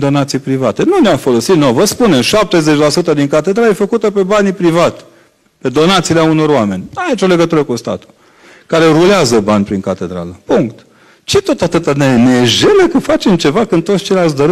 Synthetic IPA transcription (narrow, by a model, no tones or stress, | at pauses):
d̪o̞nat̪sijpɾivat̪e̞nuneafo̞lo̞sit̪novəspuneʃap̚t̪e̞zet͡ʃʲlasut̪əd̪iŋkat̪e̞d̪ɾaljefəkut̪əpe̞banʲpɾivat̪ʲ | pe̞d̪o̞nat̪sileauno̞ɾoame̞nʲait͡ʃo̞le̞ɡət̪uɾəkust̪a̰t̪u̥ | kaɾe̞ɾuleazəbanʲpɾiŋkat̪e̞d̪ɾa̰ləpuŋkt̪ | t͡ʃet̪o̞t̪at̪ɨt̪aneneʒelekufat͡ʃe̞mt͡ʃe̞vakɨnt̪ot̪st͡ʃelʲas̬d̪əɾ